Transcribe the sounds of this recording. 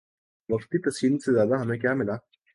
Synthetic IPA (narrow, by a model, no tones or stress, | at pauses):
ʋɐqt̪it̪ɐsiːnsezjaːd̪aɦɐmẽkjaːmɪlaː